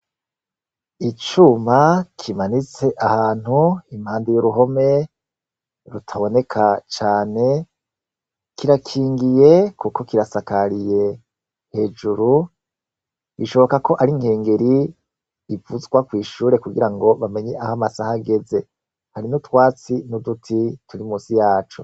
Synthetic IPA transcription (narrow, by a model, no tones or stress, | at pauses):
it͡ʃumakʰimanit͡se̞ʔahaːn̥huimhaːndijuɾuɦo̞me̞ | ɾutʰaβo̞ne̞kʰat͡ʃaːne̞ | kiɾakʰiːŋɡije̞kuko̞kiɾasakaɾije̞ | he̞ːd͡ʒuɾu | βiʃo̞βo̞kako̞ʔaɾiŋhe̞ːŋɡe̞ɾiː | vuzɡwakwiːʃuːɾe̞kuɡiɾaŋɡo̞βame̞ɲeʔahamasahaɡe̞ze̞ | haɾinutwaːt͡sinudutʰituɾimuːsijaːt͡ʃo